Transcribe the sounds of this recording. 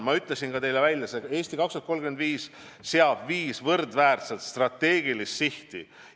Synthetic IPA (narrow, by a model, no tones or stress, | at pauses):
mɑyt̪lesinɡ̥ɑt̪e̞jlevæjlʲːjɑsee̞ːsʲt̪ikɑksyt̪̚ko̞lɡymend̪viːs | seɑb̥viːsvɤrd̪væːrt̪selt̪st̪rɑt̪ːe̞ːɡilist̪siht̪i